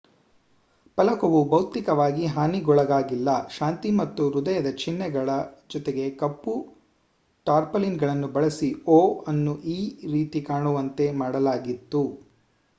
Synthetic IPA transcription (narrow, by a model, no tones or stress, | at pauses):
pɐlɐkɐʋubɐwt̪ikɐʋaːɡiɦaːniɡɔɭɐɡaːɡilːɐʃaːnt̪imɐt̪ːuɾud̪ɐjɐd̪ɐt͡ʃinːɛɡɐɭɐd͡ʒɔt̪eɡe̞kɐpːu | ʈaːɾpɐlinɡɐɭɐnːubɐɭɐsioːɐnːuʔiːɾiːt̪ikaːɳuʋɐnt̪e̞maːɽɐlaːɡit̪ːu